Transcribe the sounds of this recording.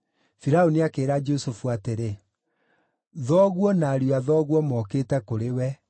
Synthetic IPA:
fiɾaoniakeːɾad͡ʒosofuateɾe | ðɔːɣwɔnaɾiuaðɔːɣwɔmɔkeːtɛkoɾewɛ

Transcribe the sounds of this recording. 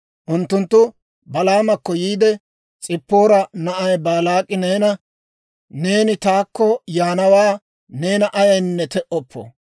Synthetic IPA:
ʔʊnt̪ːʊnt̪ːʊ | bɐlaːmɐkːɔjiːd̪ɛ | t͡sʼɪpːo̞ːɾɐnɐʔɐjbaːlaːkʼːɪne̞ːnɐ | ne̞ːnɪt̪aːkːɔjaːnɐwaː | ne̞ːnɐʔɐjɐjnːɛt̪ɛʔɔpʰːɔ̰

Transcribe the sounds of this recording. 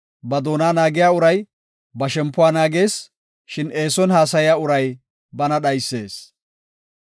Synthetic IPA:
bɐd̪oːnaːnaːɡɪjaːʊɾɐj | bɐʃɛmpːʊwaːnaːɡeːs | ʃɪneːsɔnhaːsɐjɪjaːʊɾɐj | bɐnɐɗɐjsːe̞ːs

